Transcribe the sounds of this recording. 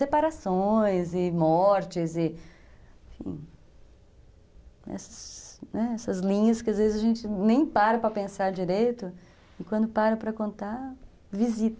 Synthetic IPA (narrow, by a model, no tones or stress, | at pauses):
sepaɾasõj̃zɪmɔɾt͡ʃɪzɪ | ẽfḭ̃ | ɛ̰sɐ̥snɛɛsɐzlĩɲɐskɪazvezɪzɐʒẽnt͡ʃɪnẽj̃paɾɐpɾɐpẽsaɾd͡ʒiɾejt̪ʊ | ɪ̃kwɐ̃nd̪ʊpaɾɐpɾɐkõnt̪a | vizit̪